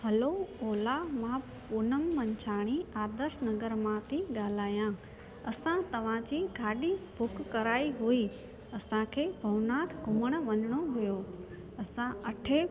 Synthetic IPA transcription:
ɦɐlooːlamã | pʊnəmːɐɲt͡ɕʰaːɽ̃iaːd̪əɾʃnɐɡəɾmãt̪ʰiɡaːlaːjã | ɐsãt̪ɐʋ̤ãd͡ʑiɡʱaːɗibʱʊkːɐɾaːiɦui | ɐsãkʰeːbʱɐʋnaːt̪ʰɡʱʊməɽ̃ə̆ʋɐnəɽ̃oɦʊjo | ɐsãɐʈʰe

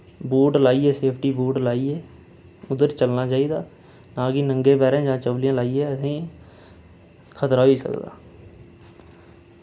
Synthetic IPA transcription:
buːɖlaːiːɛːseːpʰʈiːbuːɖlaːiɛː | ʊd̪əɾt͡ʃəlnaːt͡ʃaːiːd̪aː | nãːkinəŋɡeːbɛːɾẽãːd͡ʒãːt͡ʃəʋlijãːlaːiːɛːəsĩː | kʰət̪ɾaːɦoiːsə̰kd̪a̰ː

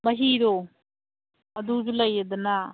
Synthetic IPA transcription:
mɐɦiɾo | ɐd̪ud͡ʒulɐjed̪ɐna

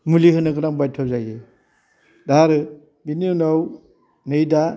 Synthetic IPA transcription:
mulihɯnɯɡɯnaŋbajtʰɔzajɯ | daɾɯ | biniunaw | nɯjda

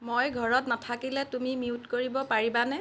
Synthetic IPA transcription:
mojɡʱɔɹɔtnatʰakilɛtumimiutkoɹibɔpaɹibanɛ

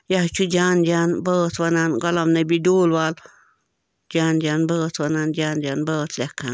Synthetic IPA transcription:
jaht͡ʃud͡ʒand͡ʒanbət͡swananɡolamnebid̪ulwal | d͡ʒand͡ʒanbət͡swanand͡ʒand͡ʒanbət̪lʲakan

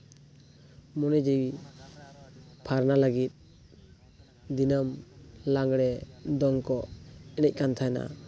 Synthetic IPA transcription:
mɔnid͡ʒij | pʰaɾnaləɡit̪̚ | d̪inəmlaŋɡɽɛd̪ɔŋkɔɛnɛc̚kant̪ʰajna̰

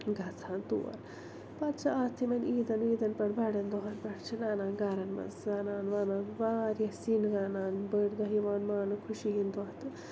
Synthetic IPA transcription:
ɡʱɐt͡sʰaːnt̪ṵːɐ̰ɾ | pɐɾt͡ʃʰɐaːst̪ʰimɐniːd̪ɐniːd̪ɐnpɐɽbɐɽɐnd̪ɔɦɐnpɐɽt͡ʃʰinaːnaːnɡaːɾɐnmɐ̰nsɡaːnaːnʋaːnaːnʋaːɾjɐsinɡaːnaːnbəɽd̪ɐɦiʋaːnmaːnɨkʰuʃiɦind̪ɔɦt̪ɨ

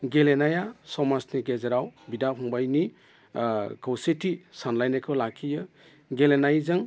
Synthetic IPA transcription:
ɡelenajasɔmasniɡezeɾawbidapʰɔŋbajni | kʰawsetisanlajnekʰɯwlakʰijɯ | ɡelenajzɯŋ

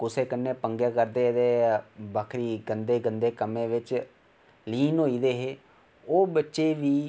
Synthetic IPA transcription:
kʊseːkənːẽːpəŋɡjeːkəɾd̪eːd̪eːbaːkʰɾiːɡənd̪eːɡənd̪eːkəmẽːʋɪt͡ʃ | liːnɦoːiːd̪eːɦeː | oːbətːʃeːʋiː

